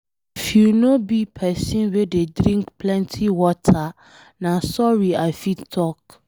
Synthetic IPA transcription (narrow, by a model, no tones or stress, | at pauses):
ifjunõbipʰɛsĩnwededɾĩŋkpʰlɛ̃ntʰiwɔtʰa | nãsɔɹiafitʰɔk̚